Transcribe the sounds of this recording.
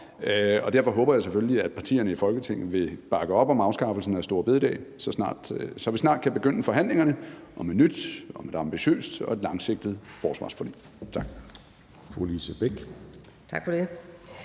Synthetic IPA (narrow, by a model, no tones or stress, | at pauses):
ɒ̽d̥æɐ̰fɒ̽ɦɔ̽ːb̥ɐjɑ̈ɪsefølliæd̥pʰɑ̈t͡sʰḭːɐnəifɒ̽lɡ̥ət͡sʰeŋ̰̩ˠʋe̝b̥ɑ̈ɡ̥əɒ̽b̥ɒ̽mɑ̈ʊsɡ̥ɑ̈fl̩sn̩æsd̥o̝ːɐ̰b̥e̝ðˠid̥ɛ̰ːsɒ̽snɑ̰̈ːd̥sɒ̽ʋisnɑ̈ːd̥̚kʰæb̥e̝ɡ̥øn̰əfɒ̽ɦæn̰le̝ŋɐnəʔɒ̽menyd̥ɒ̽med̥ɑ̈mb̥iɕø̰ːsd̥ɒ̽e̝d̥lɑ̈ŋse̝ɡ̥̚d̥ð̩ˠfɒːsʋɑ̰̈ːsfɒd̥ḭː | t͡sʰɑ̈ɡ̥̚ | folisəb̥eɡ̥ | t͡sʰɑɡ̥fɒde